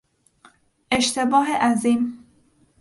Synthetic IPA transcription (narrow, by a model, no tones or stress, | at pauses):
ʔeʃt̪ʰe̞bɒːɦeʔæziːm